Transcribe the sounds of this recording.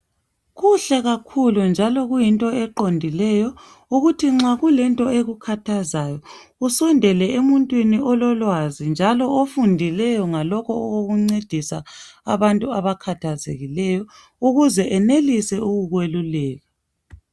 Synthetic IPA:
ɣuɬɛɣakʰulund͡ʒʱalɔɣujintʼɔɛǃondʱilɛjɔ | uɣutʰiŋ͡ǁaɣulɛntʼɔeɣukʰatʰazajɔ | usɔndʱɛlɛemuntʼwiniʔɔlɔlwazind͡ʒʱalɔʔofundʱilɛjɔŋalɔkʰɔoɣoɣuŋ͡ǀed̥ʱisa̰ːβantʼuaβakʰatʰazḛɣilɛjɔ | uɣuzɛʔɛnelisɛuɣuɣwelulɛːɣa

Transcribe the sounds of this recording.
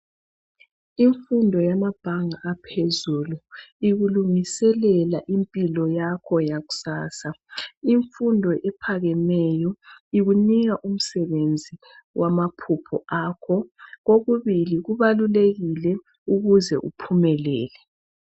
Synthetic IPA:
iɱfundʱɔjamab̥ʱaŋaʔːpʰezuluiɣuluŋisɛlɛlaʔimpʼilɔjakʰɔjaɣu̥saːsaiɱfundʱɔʔɛpʰaɣɛnɛjɔiɣuniɣaʔum̩sɛβend͡zʱi | wamapʰupʰɔ̰ʔaːkʰɔɣoɣuβiliɣuβaluleɣilɛ | uɣuzɛ̰ʔṵpʰumɛlɛ̰ːlɛ

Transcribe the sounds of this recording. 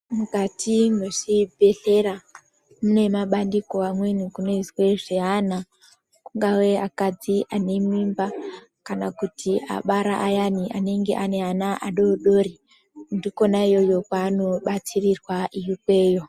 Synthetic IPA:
mukatʰinɡoʐ̥ibʱe̞ɬe̞ɾa | mune̞maɓandiko̞amwe̞nukuno̞iswe̞ʐeɦana | kuŋɡawe̞akad͡ziʔane̞mimba | kanakutʰiʔa̰ɓaɾaʔajaniʔane̞ŋɡe̞ʔane̞ɦanaʔaɗo̞ɗo̞ɾi | ndiko̞naijo̞jo̞kano̞ɓat͡sirirwaʔijikwe̞ːjo̞

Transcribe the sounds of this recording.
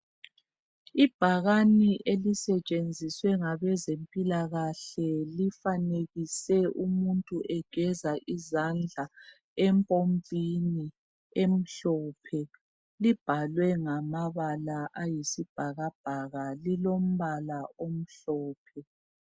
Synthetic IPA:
ib̥ʱaɣaniʔelisɛt͡ʃʼend͡zʱiswɛŋaβɛzempʼilaɣaɬɛlifaneɣisɛumuntʼuʔɛɡ̥ʱɛzaʔizand͡ɮʱa | ɛmpʼompʼini | em̩ɬɔːpʰɛ | lib̥ʱalwɛŋamaβalaʔajisib̥ʱaɣab̥ʱaɣalilom̩βalaom̩ɬɔːpʰɛ

